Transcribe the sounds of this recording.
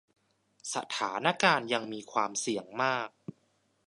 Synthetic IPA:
sa̰˨˧˩t̪ʰaː˩˦na˧˥˩kaː˧nja˧ŋmiː˧kʰwaː˧msi˩əŋmaː˥˩k̚

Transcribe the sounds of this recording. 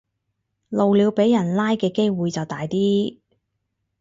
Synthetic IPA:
lo˨wliː˨˧wpe˨˥jːɐ˨˩nlaː˥jkɛː˧ke˥jwuː˨jt͡sɐ˨wt̪aː˨jt̪iː˥

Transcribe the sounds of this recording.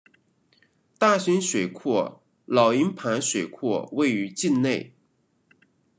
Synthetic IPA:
t̪a˥˩ɕy˥nʂwe˨˩ɪkʰwɔ˥˩ | lɑ˨˩ʊi˧˥npʰa˧˥nʂwe˨˩ɪkʰɔ̰˥˧we˥˩ɪy˧˥t͡ɕi˥˧nne˥˩ɪ

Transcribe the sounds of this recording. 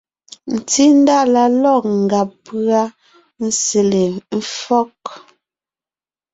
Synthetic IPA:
n̩˨ti˦n˦da˦˨la˦lɔ˦˨k̚ŋ̩˨ɡa˨pɰa˦ | n̩˦se˨le˨m̩˦fɔ˦k

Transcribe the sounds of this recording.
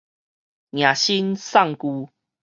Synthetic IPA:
nj̃ã˨˩ɕi˦nsa˥˨ŋku˧

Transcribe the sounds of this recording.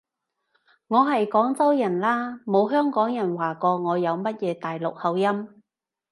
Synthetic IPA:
ŋɔː˨˧ɦɐ˨jkɔː˨˥ŋt͡sɐ˥wjɐ˨˩nlaː˥mo˨˧wɦœː˥ŋkɔː˨˥ŋjɐ˨˩nwaː˨˩kɔː˧ŋɔː˨˧jɐ˨˧wmɐ˥t̚jɛː˨˧t̪aː˨jlʊ˨k̚hɐ˨˧wjɐ˥m

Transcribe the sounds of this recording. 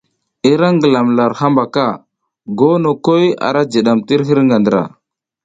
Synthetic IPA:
i˦ɾa˦ŋɡə˨la˨mla˨ɾha˦mba˨ka˦˨ | ɡo˦no˨ko˦ja̰˨ɾa˦d͡ʒi˨ɗa˨mti˦ɾɦi˦ɾŋɡa˨ndə˨ɾa̰˨

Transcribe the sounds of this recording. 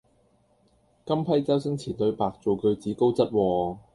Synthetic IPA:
kɐ˥mpʰɐ˥jt͡sɐ˥wsɪ˥ŋt͡sʰiː˨˩nt̪ɵ˨˧ɥpaː˨k̚t͡so˨˧wkɵ˧ɥt͡siː˨˥ko˥wt͡sɐ˥t̚wɔː˧

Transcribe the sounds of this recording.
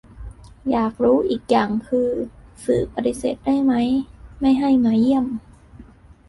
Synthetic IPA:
jaː˨˩k̚ɾuː˦˥ʔiː˨˩k̚ja˨˩ŋkʰɯː˧sɯː˨˩k̚pa˧t̪i˧˥seː˨˩t̪̚da˥˩jma˦˥jma˥˩jɦa˥˩jma˧˦˥ji˥˩əm

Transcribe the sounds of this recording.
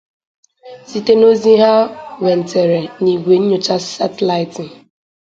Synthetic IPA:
si˦˨te˦no˦zi˦ɦa˦wɛ˨n̩˨te˨ɾe˨ni˨ɡʷe˨n̩˦ɲo˦t͡ʃa˦sa˦te˨la˨ɪ˨tɪ˨

